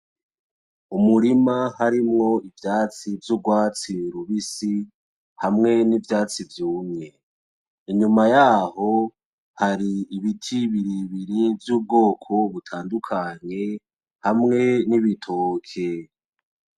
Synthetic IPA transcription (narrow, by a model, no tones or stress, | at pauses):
umuɾimahaɾimŋo̞ivjaːt͡sivjuɡwaːt͡siɾuβisi | hamŋe̞nivjaːt͡sivjuːmŋe̞ | iɲumajaːho̞ | haɾiːβitʰiβiɾiβiɾivjuːb̚ɡo̞ːkʰo̞βutʰaːndukʰaɲe̞ | hamŋe̞niβitʰoːkʰe